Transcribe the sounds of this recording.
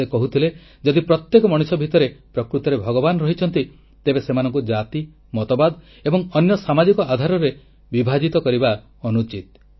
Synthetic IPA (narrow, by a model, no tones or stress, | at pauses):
ekɔɦut̪ʰile | d͡ʒɔd̪ipɾɔt̪jekɔmɔɽ̃isɔbʱit̪ɔɾepɾɔkɾut̪ɔɾebʱɔɡɔbanɔɾɔɦit͡ʃʰɔn̪t̪i | t̪ebesemanɔŋkud͡ʒat̪i | mɔt̪ɔbad̪ɔ | ebɔŋɔnjɔsamad͡ʒikɔad̪ʱaɾɔɾe | bibʱad͡ʒit̪ɔkɔɾiba | ɔnut͡ʃit̪̚